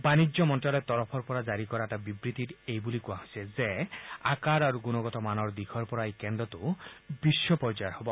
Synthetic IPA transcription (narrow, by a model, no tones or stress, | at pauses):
banid͡ʒɔmɔnʈɾɔlɔt̪ɔɾɔpʰɔɾpɔɾad͡ʒaɾikɔɾaʈabibɾit̪iɾejbulikuaɦosʰezeakaɾaɾuɡunɔɡɔt̪ɔmanɔɾd̪ikʰɔɾpɔɾaekɛnd̪ɔt̪ubiʃːɔpɔɾd͡ʒɔjɔɾhɔbɔ